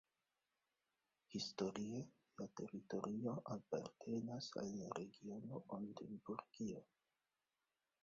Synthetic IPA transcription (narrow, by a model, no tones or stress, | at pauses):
histo̞ɾie | late̞ɾito̞ɾʔio̞ʔapa̰ɾte̞nasa̰lːaɾe̞ɡio̞noʔondembuɾɡio